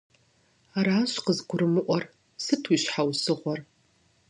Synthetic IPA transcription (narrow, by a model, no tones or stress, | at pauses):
aɾaːɕqəzɡʷʊɾɨmɨʔʷɔr | sɨtʰwuiːɕħawsɨʁʷɔr